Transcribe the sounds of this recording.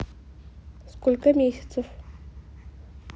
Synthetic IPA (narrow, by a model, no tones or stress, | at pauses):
skolʲkɐmʲesʲɐ̥t̪sɨf